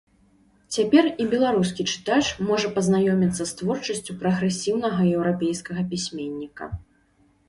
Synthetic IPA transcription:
t͡sʲapʲɛribʲɛlˠaɾuskʲit͡ʂɨ̥t̪at͡ʂmɔʐɐpɐznajɔmʲit̪sːɐst̪vɔrt͡ʂɐsʲt͡sʲupɾɐɣɾɛsʲiwn̪ɐɣɐjɛwɾapʲejskɐɣɐpʲisʲmʲenʲːikɐ̰

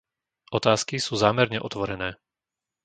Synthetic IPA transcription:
ʔɔt̪aːskisuːzaːmɛɾɲɛʔɔt̪ʋɔɾɛnɛː

